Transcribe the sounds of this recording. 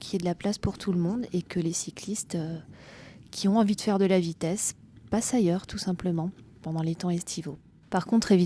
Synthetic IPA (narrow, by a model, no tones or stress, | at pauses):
kʰʲiɛd̪əlaplaspuʁt̪ʰuləmɔ̃d̪ekəlesiklist̪ø | kʲʰiɔ̃ɑ̃vid̪əfɛʁd̪əlavit̪ɛs | pasajœʁt̪ʰusɛ̃pləmɑ̃pɑ̃d̪ɑ̃let̪ɑ̃ɛst̪ʰivo | paʁkɔ̃t̪χevi